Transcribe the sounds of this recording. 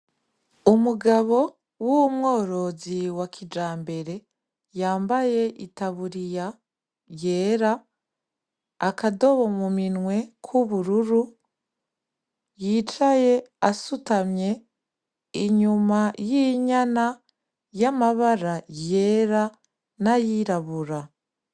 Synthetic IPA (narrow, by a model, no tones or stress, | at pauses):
umuɡaβo̞ | wumŋo̞ːɾo̞ziwakʰid͡ʒaːmbe̞ɾe̞ | jaːmbaje̞ʔitaβuɾija | je̞ːɾa | kado̞βo̞muminŋwe̞kʰuβuɾuɾu | jit͡ʃaje̞asutamɲe̞ | iɲumajiɲana | jamaβaɾaje̞ɾa | najiɾaβuɾa